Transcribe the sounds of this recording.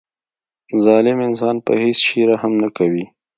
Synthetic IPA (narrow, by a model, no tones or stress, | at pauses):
zɑlɪmɪnsɑnpə̰hesʃiɾahamnakawi